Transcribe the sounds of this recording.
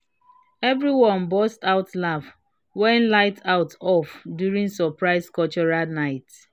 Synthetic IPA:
ɛvɹiwɔ̃nbɔstaʊtlaf | wɛ̃nlaɪtʰaʊtʰɔfdjuɹĩŋsɔpɹaɪskɔt͡ʃɔɹanaɪt

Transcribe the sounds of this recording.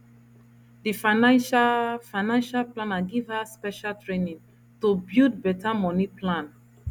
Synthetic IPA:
difanaʃfaɪnãnʃalplãnaɡivhaspɛʃaltɹenĩŋ | tubid̚bɛtamɔniplãn

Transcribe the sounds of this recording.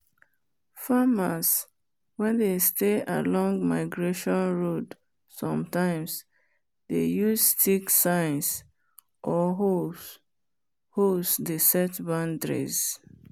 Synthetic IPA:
famas | wɛ̃ndesteʔa̰lɔ̃ŋɡmaɪɡɹeʃɔ̃nɹod | sɔ̃mtãɪ̃ms | dejustʰiksãɪ̃ns | ʔɔɦo | hosdesɛtbãndɹḭz

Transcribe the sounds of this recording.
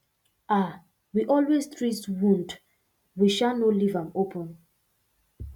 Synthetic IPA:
a | wiʔɔlweztʰɹiswũnd | wiʃalnɔlivãmopʰɔ̃n

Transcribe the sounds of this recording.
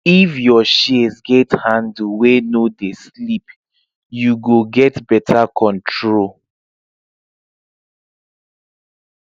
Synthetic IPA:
ifjɔʃizɡɛthãndwenodeslip | juɡoɡɛtbɛtʰakʰɔ̃ntʰɹol

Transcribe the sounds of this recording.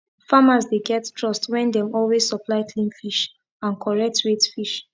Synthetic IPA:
famazdeɡɛttɹɔstwɛ̃ndɛ̃mɔlwezsɔplaɪkʰlĩnfiʃ | ãnkʰɔɹɛk̚tʰɹetfiʃ

